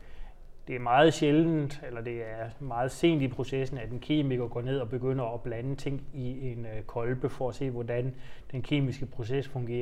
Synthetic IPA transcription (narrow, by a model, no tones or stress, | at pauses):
d̥e̝æɐmɑ̈ːð̩ˠɕeln̩d̥elɐd̥e̝æɐmɑ̈ːð̞̩ˠse̝̰ːnd̥ipʰʁo̝sesn̩æd̥enkʰe̝̰ːmiɡ̥ɐɡ̥ɔ̰ːne̝ð̞̰ˠɒ̽b̥e̝ɡ̥øn̰əɒ̽b̥lænət͡sʰe̝ŋ̰ie̝nkʰɒ̽lb̥əfɒ̽æse̝̰ːʋɒdænd̥enkʰe̝̰ːmisɡ̥əpʰʁo̝s̬esfɔ̽ŋɡ̥e̝̰ːɐ